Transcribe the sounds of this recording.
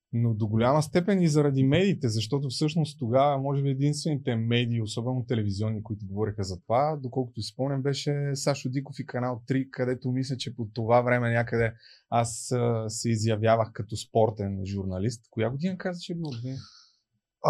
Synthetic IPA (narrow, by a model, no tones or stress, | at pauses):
nod̪oɡolʲamɐst̪ɛpɛnizɐɾɐd̪imɛd̪iːt̪ɛzɐʃt̪ɔt̪̬ʊfsɤʃnost̪t̪oɡavɐmɔʒɛbiɛd̪inst̪vɛnit̪ɛmɛd̪iːosɔbɛnot̪ɛlɛviziɔnːikʊit̪ʊɡovɔɾixəzɐt̪ovad̪okɔlˠkʊt̪ʊispɔmnʲɛmbɛʃɛsaʃod̪ikofikɐnalˠt̪ɾikɐd̪ɛt̪omislʲɐt͡ʃɛpot̪ovavɾɛmɛnʲakəd̪ɛasəsɛizjɐvjavəxkɐt̪ɔspɔɾt̪ɛnʒuɾnɐlist̪kojaɡod̪inɐkazvɐʃɛbilˠoɡd̪in